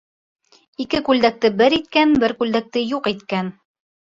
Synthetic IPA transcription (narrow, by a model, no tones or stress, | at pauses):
ikɘkʉld̪æk̚t̪ɘbɘɾit̪̚kænbɘɾkʉld̪æk̚t̪ɘjuqit̪kæn